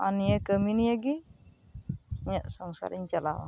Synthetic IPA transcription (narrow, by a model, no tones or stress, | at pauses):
a̰nijəkəminiaɡi | ɲəʔsɔŋsa̰ɾiɲt͡ʃalawa̰